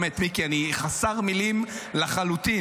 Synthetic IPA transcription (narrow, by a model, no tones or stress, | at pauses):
met̪mikianiχasaʁmilimlaχalut̪i